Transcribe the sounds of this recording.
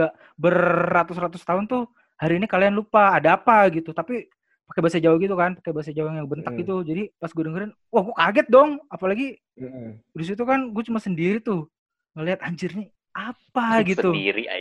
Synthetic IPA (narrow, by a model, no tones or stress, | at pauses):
aʔ | bərːat̪ʊsrat̪ʊst̪aʊnt̪ʊh | haɾiːnikalajanlupaːdaːpaɡit̪ut̪api | pakebasad͡ʒaʊhɡit̪ukanpakebas̬ad͡ʒaʊŋjaŋbənt̪ak̚ɡit̪ud͡ʒadipasɡudəŋɡəɾan | wahɡuakaɡɛt̪̚dɔŋapalaɡi | dis̬it̪ukanɡuat͡ʃumasəndiɾit̪ʊh | ŋaliɦat̪aɲd͡ʒərni | apaɡit̪uḭɾia̰